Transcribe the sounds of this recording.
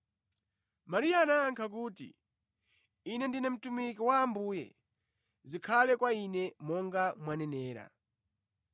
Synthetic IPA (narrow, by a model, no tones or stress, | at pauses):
maɾiaːnaːŋkʰak̬uːtḭ | inɛndinɛm̩tumikiwaːmbuːjɛ̰ | zikʰalɛkwainɛmɔŋɡamwanɛnɛːɾa̰